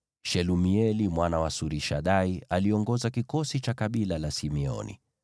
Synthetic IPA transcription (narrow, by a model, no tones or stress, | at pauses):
ʃɛlumiɛlimwanawasuɾiʃaɗaialiɔŋɡɔzakikɔsit͡ʃakaɓilalasimɛɔ̰nḭ